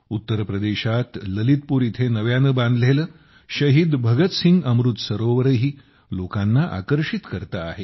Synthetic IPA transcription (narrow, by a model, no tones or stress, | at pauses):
ut̪ːəɾpɾəd̪eɕat̪ləlit̪̚puːɾit̪ʰenəʋjanəbãnd̪lelə | ɕəɦid̪bʱəɡət̪siŋɡəmɾut̪səɾoʋəɾəɦiː | lokanːaʔa̰kəɾʂit̪kəɾt̪aːɦe